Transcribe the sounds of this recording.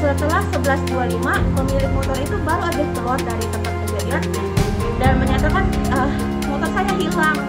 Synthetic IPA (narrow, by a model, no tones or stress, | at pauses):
sət̪əlahsəbəlasdualimaməmilɪhmɔt̪ɔɾit̪ubaɾuadaht̪əlɔrdaɾit̪əmpat̪̚kud͡ʒaiar | danməɲat̪akanə | mɔt̪ɔnsajaɦilaŋ